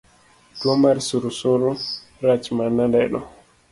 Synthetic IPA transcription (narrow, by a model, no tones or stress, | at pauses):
d̥uomaɾisuɾusoɾu | ɾat͡ʃmanːandajɗɔ̰